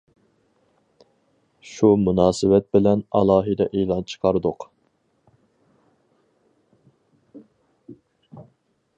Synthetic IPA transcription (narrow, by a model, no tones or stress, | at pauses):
ʃumunɑːsɪwɛt̪̚bɪlɛnɑlˠɑːɦɨd̪ɛʔelˠɑnt͡ʃʰə̥qʰɑɾɨd̪ʊq